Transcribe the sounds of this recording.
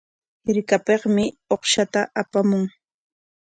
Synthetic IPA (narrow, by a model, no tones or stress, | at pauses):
ɾɪkapeχmɪoχʃat̪aʔapamʊŋ